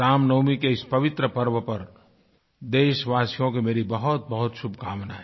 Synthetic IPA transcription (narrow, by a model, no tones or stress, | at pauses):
ɾaːmnəʊmikeɪspɐʋɪt̪ɾəpəɾʋəpɐɾ | d̪eːʃʋaːsijõkemeːɾibɐɦʊt̪̚bɐɦʊt̪ʃʊbʱkaːmnae